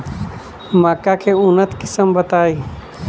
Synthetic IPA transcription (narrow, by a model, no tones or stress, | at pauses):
makakeʊnət̪kɪ̥səmbət̪aːi